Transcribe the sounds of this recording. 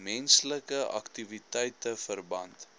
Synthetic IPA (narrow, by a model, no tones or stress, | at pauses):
mɛnsləkəʔɐ̰ktivitɛjtəfərbɐnt